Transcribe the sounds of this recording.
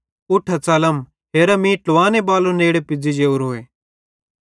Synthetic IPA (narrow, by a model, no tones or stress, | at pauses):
ʊʈʰːat͡sɐləm | ɦeːɾamĩʈʊʋaːnebaːloneːɽepɪd͡zid͡ʒeːuɾɦoːeː